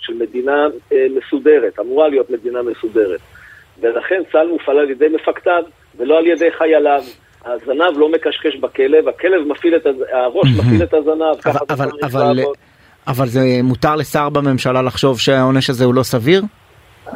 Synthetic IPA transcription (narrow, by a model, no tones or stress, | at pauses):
ʃelme̞d̪iname̞sud̪e̞ʁet̪amuʁalijo̞t̪me̞d̪iname̞sud̪e̞ʁet̪ | velaχe̞nt͡salmufalaljed̪e̞jme̞fakt̪av | velo̞alje̞de̞jχajalav | azanavlo̞me̞kaʃkeʃbakele̞vake̞le̞vmafilet̪aaʁo̞ʃmafilet̪azanavkavaavalaval | avalzemut̪aʁle̞saʁbame̞mʃalalaχʃo̞vʃeaao̞neʃazeulo̞saviʁ